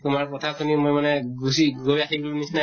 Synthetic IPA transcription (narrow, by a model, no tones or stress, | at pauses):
t̪umaɹpɔt̪ʰakʰunimojmanɛɡusiɡojakʰiblũnisna